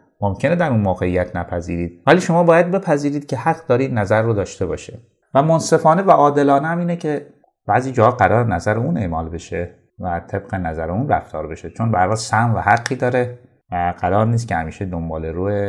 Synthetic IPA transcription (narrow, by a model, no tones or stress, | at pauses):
momcʰe̞ned̪æɾunmoːɣe̞ijæt̪ʰnæpʰæzḭːɾiːd̪væliːʃo̞mɒːbɒːjæd̪̚be̞pʰæziːɾiːd̪̥̚cʰe̞hæqd̪ɒːɾiːd̪næzæɾːod̪ɒːʃt̪e̞bɒ̰ːʃe | væmonse̞fɒːne̞væʔɒːd̪e̞lɒːnehæmiːnecʰe̞ | b̥æziːd͡ʒɒːhɒɢæɾɒːɾenæzæɾeuːne̞ʔmɒːlbe̞ʃe | væt̪ʰe̞b̥ɢe̞næzæɾeuːnræ̰ft̪ʰɒːɾbe̞ʃet͡ʃʰo̞nbæɾhɒːlsæhnvæhæqːiːd̪ɒːɾe | væɢ̥æɾɒːɾniːs̬t̪kcʰehæmiːʃed̪o̞mbɒːleɾuːe